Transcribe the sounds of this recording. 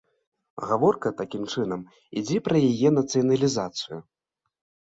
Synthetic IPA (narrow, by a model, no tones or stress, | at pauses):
ɣavɔrkɐt̪akʲimt͡ʂɨn̪ɐm | ḭd͡zʲɛpɾɐjajɛnɐt̪sɨjɐnɐlʲizat̪sɨju